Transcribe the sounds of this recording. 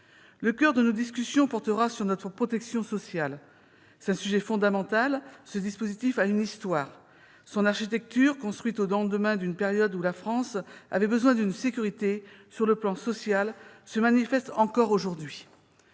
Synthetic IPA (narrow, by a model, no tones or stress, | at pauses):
ləkʲœʁd̪ənod̪iskʲysjɔ̃pɔʁt̪əʁasyʁnɔt̪χəpχɔt̪ɛksjɔ̃sɔsjal | sɛ̥t̪ɛ̃syʒɛfɔ̃d̪amɑ̃t̪alsəd̪ispozit̪ifaynist̪waːʁ | sɔ̃naʁʃit̪ɛk̚t̪yʁkɔ̃st̪χwɥit̪od̪ɑ̃d̪əmɛ̃d̪ynpeʁjɔd̪ulafχɑ̃sa̰vɛbəzwɛ̃d̪ynsekʲyʁit̪esyʁləplɑ̃sɔsjalsəmanifɛst̪ɑ̃kɔʁoʒuʁd̪ɥi